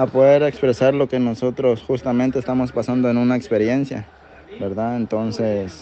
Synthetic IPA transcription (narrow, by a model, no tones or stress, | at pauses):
apo̞ðeɾekspɾe̞saɾlo̞ke̞no̞so̞t̪ɾo̞sxust̪ament̪eːst̪amo̞spasand̪oenunaekspe̞ɾje̞nsja̰ | beɾðaent̪o̞nses